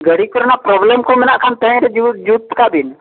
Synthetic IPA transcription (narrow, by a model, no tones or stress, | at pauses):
ɡəɽikəɾnapɾɔːblemkomɪnakʰant̪ə̃ɾed͡ʒud͡ʒut̪ːkab̪ʱɪn